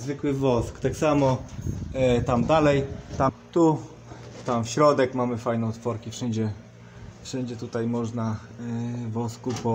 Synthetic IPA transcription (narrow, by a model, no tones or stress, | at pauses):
zvɘkwɘvɔskt̪aksamɔ | t̪amd̪alɛjt̪amt̪u | t̪amfɕɾɔd̪ɛkmamɘfajnɛt̪fɔɾkʲifʂɛɲd͡ʑɛ | fʂɛɲd͡ʑɛt̪ut̪ajmɔʐna | vɔskupɔ